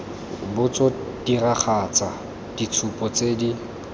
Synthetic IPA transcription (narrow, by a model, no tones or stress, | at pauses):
bʊt͡sɔ | d̥iraχʰat͡sa | d̥it͡sʰupʼɔt͡sʼeːdi